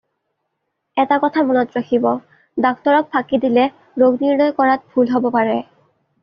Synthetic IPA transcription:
ɛtakɔtʰamɔnɔtɹakʰibɔ | dɔktɔɹɔk̚pʰakidilɛ | ɹoɡniɹnɔjkɔɹat̚bʱulɦobɔpaɹɛ

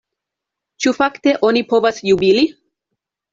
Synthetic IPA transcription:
t͡ʃufakte̞ʔo̞nipo̞vasjubili

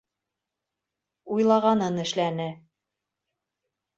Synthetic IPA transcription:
ujlˠɑʁɑnɤnɘ̆ʃlænɘ

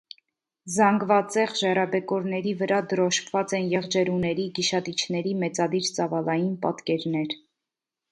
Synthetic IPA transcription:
zɑŋɡvɑt͡sɛʁʒɛrɑbɛkɔɾnɛɾivəɾɑd̪əɾɔʃkʰvɑt͡sɛnjɛʁd͡ʒɛɾunɛɾiɡiʃɑt̪it͡ʃʰnɛɾimɛt͡sɑd̪iɾt͡sɑvɑlɑjinpɑ̰t̪kɛɾnɛɾ

